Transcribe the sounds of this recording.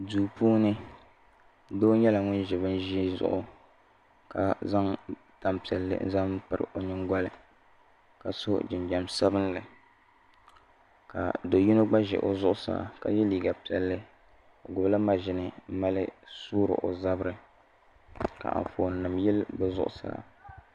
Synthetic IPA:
duː˨puː˦nɨ˦ | doː˦ɲɛ˦la˨ŋʊ˦nʒɛ˨βɨ˦nʒi˦zʊ̰˦˨ʔʊ˦ | ka˨za˦ŋ | ta˦mpi˨ɛ˨lːɨ̰˦n̩˦za˦m˦pɨ˨ɾɨ̰˨ʔo˨ɲɪ˦ŋɡʷɔ˦lɨ˨ | ka˨so˦d͡ʒɪ˨nd͡ʒa˨msa˦bɨ˦nlɨ˨ | ka̰˨do˨ji˦no˦ɡ͡ba˦ʒɛ̰˨ʔo˨zʊ˦ʔʊ˦sa̰˨a̰˨ka˨jɛ˦liː˨ɡa˨pi˨ɛ˨lːɨ˦ | o˨ɡʊ˨bla˦ma˨ʒɪ˨nɨ˦m̩˦ma˦lɨ˦suː˦ɾɨ̰˨ʔo̰˨za˦bɾɨ˦ | ka̰˨ʔɱ˨foː˨n˨nɨ˨mjɛ˦lbɨ˦zʊ̰˦ʔʊ̰˨sa̰˨la̰˨

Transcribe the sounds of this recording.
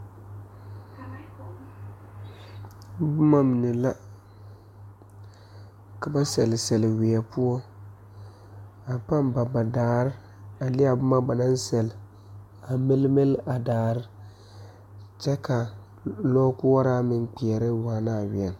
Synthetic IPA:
bʊ˦ma˦mɪ˨nɛ˨la˦ | ka˨ba˦sɛ˨lɪ˨sɛ˨lwi˨ɛ˨pu˦ɔ˦ | a˨pa˦mba˨ba˨daː˨ɾɪ˦ | a˨lɪ˦a˨bʊ˦ma˦ba˨na˦nsɛ˨l | a˨mɪ˦lmɪ˦la˨daː˨ɾɪ˦ | t͡ʃɛ˦ka˨ | lɔː˦ku˦ɔ˦ɾa˦mɪ˨nk͡pi˨ɛ˨ɾɪ˦waː˨na˦˨wɪ˨ɛ˨n

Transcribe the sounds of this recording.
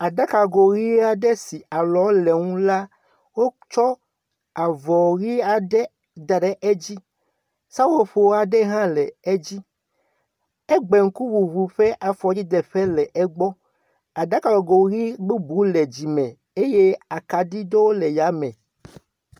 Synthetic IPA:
a˨d̪a˦ka˨ɡo˨ɣi˦a˦ɖɛ˦si˨a˨lɔ˨˦lɛ˨ŋũ˦la˦ | wo˦t͡ʃɔ˦ | a˨vɔ˨ɣi˦a˨ɖɛ˦ | d̪a˨ɖɛ˦ʔe˦d͡ʑi˦ | sa˦wo˦ɸo˨wa˨ɖɛ˦ɦã˦lɛ˨e˦d͡ʑi˦ | ɛ˦ɡ͡be˨ŋ̩˦ku˦wu˨βu˨ɸɛ˦ʔa˨fɔ˨d͡ʑi˦d̪ɛ˨ɸɛ˦lɛ˨ʔɛ˦ɡ͡bɔ˦ | a˨da˦ka˨o˨ɡo˨ɣi˦ɡ͡bu˦bu˨˦lɛ˨d͡ʑi˨mɛ̃˨ | e˦je˦a˨ka˨ɖi˦do˦wo˦lɛ˨ja˨˦mɛ̃˨

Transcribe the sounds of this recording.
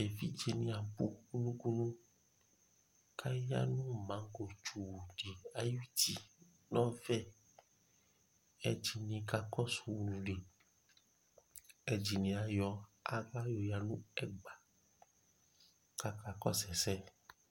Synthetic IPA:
e˨fi˦d͡ʒe˧nĩ˧a˨pu˦ku˦nũ˦ku˦nũ˦ | kʰa˦ja˦nũ˦˨mã˨˦ŋ˦ɡo˨t͡ʃu˨wu˨di˨a˨ju˦˨ti˨ | nɔ̃˦fɛ˦˨ | ɛ˧d͡ʒi˨nĩ˧ka˧kɔ˦su˧˨wu˧˨lũ˨le˨ | ɛ˧d͡ʒi˨nĩ˧a˧jɔ˧a˦ɡa˦jo˧˨ja˧nũ˦ɛ˦˨ɡ͡ba˨ | ka˧ka˧kɔ˦sɛ˨sɛ˦

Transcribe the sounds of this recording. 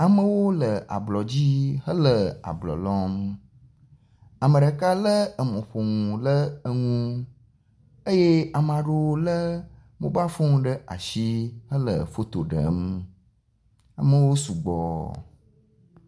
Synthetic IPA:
a˨mə̃˦wo˦lə˨ʔa̰˨blɔ˨d͡ʑi˦ɦə˦lə˨a̰˨blɔ̰˨lɔ̃˦m | a˨mə˨ɖə˨ka˦lə˦ə˨mõ˨ɸo˨ŋũ˨lə˦ə˦ŋũ˦ | e˦je˦a˨m˨ã˨ɖo˦wo˦lə˦ | mṵ̃˦ba˦fo˦ŋũ˦ɖə˦ʔa̰˨ʃi˦ɦə˦lə̰˨fo˦t̪o˨ɖə̰˨˦m˦ | a̰˨mə˨wo˦su˨ɡ͡bɔ̰˨

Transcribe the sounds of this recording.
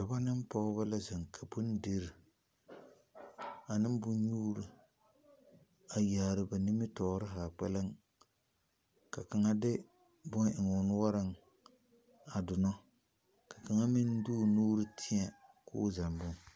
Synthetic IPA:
ka˨ba˦nɪ˦m˦pa˦ʊ˦ba˦la˦zɪ˨ŋkʰa˨bʊ˦n˦de˦ɾi˨ | a˨nɪ˦m˦bʊ˦n˦ɲuː˦ɾɨ˦ | a˨jaː˨ɾɨ˨ba˨ni˦mɪ˦tɔː˨˦ɾɪ˦ɦa˨k͡pɛ˦lɪ˦ŋ | ka˨ka˨ŋa˦dɪ˦ | bɔ˦ŋɪ˨ŋ˨ʊ˨n˦wa˦ɾɪ˦ŋ | a˨dʊ˨nɔ˦ | ka˨ka˨ŋa˦mi˦n˦duː˦˨nuː˦ɾɨ˦tʰɪ˦a˨kʊ̰ː˦za˨mbʊ˦ŋ

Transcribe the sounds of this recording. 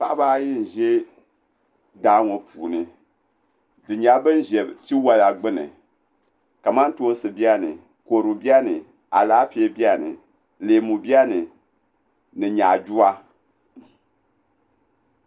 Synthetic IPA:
pa˦ʔba˦ji˦n̩˨ʒe˦ | daː˦ŋo˨puː˨nɨ˨ | dɨ˨ɲa˨˦bɨ˦n˦ʒe˨bti˦wa˦la˨ɡ͡bɨ˦nɨ̰˨ | ka˨ma˦n˦to˦n˦sɨ˨bi˦a˦nɨ˨ | ko˨ɾu˨bi˦a˦nɨ˨ | a˨laː˦pi˦e˦bi˦a˦nɨ̰˨ | leː˨mu˨bi˦a˦nɨ˨ | nɨ˨ɲa˨d͡ʒu˦a˦

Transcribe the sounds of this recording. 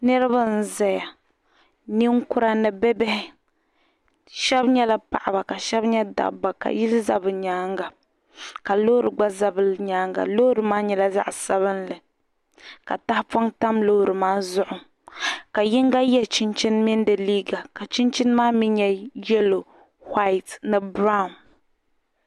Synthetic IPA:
nɛ˦ɾɨ˦ba˦n̩˦za˨ja˨ | ni˦ŋkʊ˦ɾa˦nɨ˨bɛ˦bɛ˦hɪ˦ | ʃɛ˦bɲɛ˦la˦pa̰˨ʔa˨ba˨ka˨ʃɛ˦bɲɛ˦da̰˨ba˨ka̰˨ji˦lza˦bɨ˨ɲaː˨˦ŋɡa˨ | ka˨lo˦ɾɨ˨ɡ͡ba˦za˦bɨ˨ɲaː˦ŋɡa̰˨lo˦ɾɨ˨maː˦ɲɛ˨la˦za̰˦ʔsa˦βɨ˦nlɨ˨ | ka̰˨ta˦hfa˦ŋta˦mlo˦˨ɾɨ˨maː˦zʊ˦ʔʊ˨ | ka˨ji˦ŋɡa˦jɛ˦lt͡ʃi˦nt͡ʃi˦nmi˦n˦dɨ˨liː˦ɡa˨ka˨t͡ʃi˦nt͡ʃi˦n˦maː˦mi˦ɲɛ˦jɛ˦lo˨ | ha˦ɪ˨tnɨ˨bɾa˦ʊ˨n

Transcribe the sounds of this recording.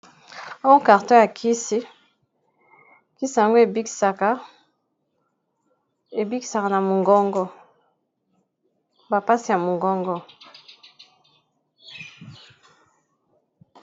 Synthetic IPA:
a˦wo˦ka˨ʁtɔ̃˦ja˨kʰi˦si˦ | ki˦si˦˨ja˨ŋɡo˦e˨bi˦˨sa˨ka˦ | e˨bi˦ki̥˨sa˨ka˨na˨mo˨ŋɡɔ˦ŋɡɔ˦ | ba˨pa˦si˨ja˨mo˨ŋɡɔ˦ŋɡɔ˦

